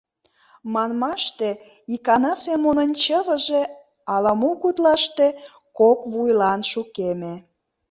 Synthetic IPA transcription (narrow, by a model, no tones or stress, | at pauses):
mɑnmɑʃt̪e | ikɑnɑsemonənʲt͡ɕəβə̆ʒe | ɑlɑmukut̪lɑʃt̪e | kokβujlɑnʃukeme